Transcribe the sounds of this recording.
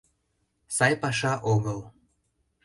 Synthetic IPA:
sɑjpɑʃɑʔoɣəl

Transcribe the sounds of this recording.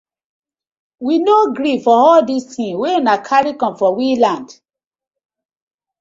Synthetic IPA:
winoɡɾifɔɔldistʰĩnweunakʰaɹikɔ̃mfɔwilãnd

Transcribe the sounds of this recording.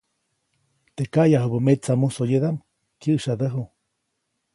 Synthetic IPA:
t̪ekajaɦubəmet͡samusojed̪am | kjəʔʃad̪əɦu

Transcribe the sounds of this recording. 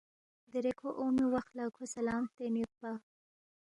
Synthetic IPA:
d̪əɾekʰoʔomiwaxt̪lakʰosalɑːmt̪enjut̪̚ba

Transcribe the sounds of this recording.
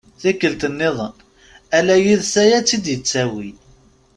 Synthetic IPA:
θækːəlt̪ənːɪðˤən | ælæjiðsæjæt͡sːid̪jət͡sːæwi

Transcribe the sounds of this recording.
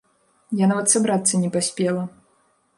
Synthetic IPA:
janavɐt̪sabɾat̪sːɐnʲɛpasʲpʲɛlˠɐ

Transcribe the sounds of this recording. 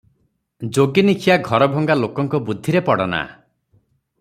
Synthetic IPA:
d͡ʒoɡinikʰijaɡʱɔɾɔbʱɔŋɡalokɔŋkɔbud̪ʱːiɾepɔɽɔna̰

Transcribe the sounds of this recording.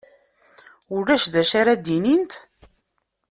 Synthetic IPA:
ʊlːæʃðæʃaɾad̪inint̪

